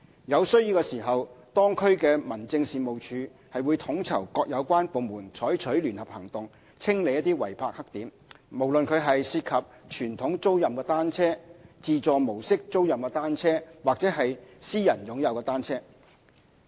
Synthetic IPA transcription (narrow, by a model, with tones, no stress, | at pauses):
jɐ˨˧wsɵ˥ɥjiː˧wkɛ˧siː˨˩ɦɐ˨wt̪ɔː˥ŋkʰɵ˥ɥkɛː˧mɐ˨˩nt͡sɪ˧ŋsiː˨˩mo˨wt͡ʃʰyː˨˧ | hɐ˨jwuː˨˧jt̪ʰʊ˨˥ŋt͡sʰɐ˨˩wkɔː˧k̚jɐ˨˧wkʷwaː˥npo˨˧wmuː˨˩nt͡ʃʰɔː˨˥jt͡ʃʰɵ˨˥ɥlyː˨˩nhɐ˨p̚hɐ˨˩ŋt̪ʊ˨ŋ | t͡sʰɪ˥ŋle˨˧jɐ˥t̪iː˥wɐ̰˨˩jpʰaː˧k̚hɐ˥k̚t̪iː˨˥m | mo˨˩wlɵ˨nkʰɵ˨˧ɥɦɐ˨jsiː˧t̚kʰɐ˨p̚t͡ʃʰyː˨˩nt̪ʰʊ˨˥ŋt͡so˥wjɐ˨mkɛː˧t̪aː˥nt͡sʰɛː˥t͡siː˨t͡sɔː˨mo˨˩wsɪ˥k̚t͡so˥wjɐ˨mkɛː˧t̪aː˥nt͡sʰɛː˥waː˨k̚t͡sɛː˨˥ɦɐ˨jsiː˥jɐ˨˩njʊ˨˧˥ŋjɐ˨˧wkɛː˧t̪aː˥nt͡sʰɛː˥